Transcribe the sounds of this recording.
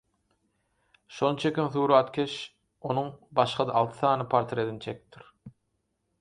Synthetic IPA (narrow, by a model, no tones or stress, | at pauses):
ʃo̞nɯt͡ʃʰekʲimθuːɾɑɑt̪kʲʰeʃ | o̞nuŋbɑʃqɑd̪ɑʔːlˠt̪ʰɯ̥θɑːnɯpʰɑɾt̪ʰɾed̪nt͡ʃʰekʲi̥p̚t̪ʰiɾ